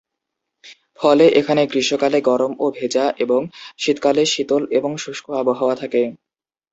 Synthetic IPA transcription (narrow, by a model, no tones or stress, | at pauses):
fɔleʔekʰaneɡɾiʃokaleɡɔɾomobʱed͡ʑaʔeboŋʃit̪kaleʃit̪oleboŋʃuʃkʰoaboɦaoat̪ʰake